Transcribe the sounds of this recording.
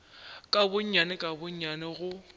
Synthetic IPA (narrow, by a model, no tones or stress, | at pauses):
kʼabʊɲ̩ɲanɪkʼabʊɲ̩ɲanɪɣʊ